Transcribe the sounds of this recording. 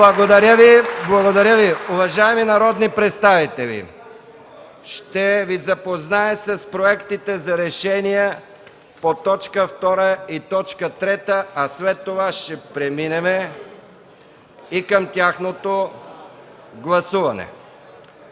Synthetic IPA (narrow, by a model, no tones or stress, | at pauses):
blˠɐɡod̪ɐɾʲəviblˠɐɡod̪ɐɾʲjəviʊvɐʒaɛminɐɾɔd̪nipɾɛt̪st̪avit̪ɛvḭ | ʃt̪ɛvizɐpoznaɛsɐspɾoɛkt̪it̪ɛzɐɾɛʃɛnijɛ | pot̪ɔt͡ʃkəft̪ɔɾəit̪ɔt͡ʃkət̪ɾɛt̪əɐslɛt̪ːovaʃɛpɾɛminɛmɛ | ikəmt̪ʲjaxnot̪o | ɡlˠɐsuvɐnɛ̰